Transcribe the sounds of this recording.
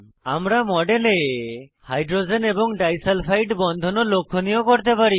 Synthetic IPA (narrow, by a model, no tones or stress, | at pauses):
amɾamɔɖelehajɖɾod͡ʒenebɔŋɖajsalpʰajʈbɔnd̪ʱɔnɔlokʰːɔnijɔkɔɾt̪epaɾi